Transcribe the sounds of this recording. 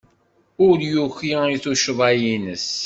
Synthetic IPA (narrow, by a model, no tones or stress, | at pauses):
ʊɾjuçiiθuʃəðˤæjinəs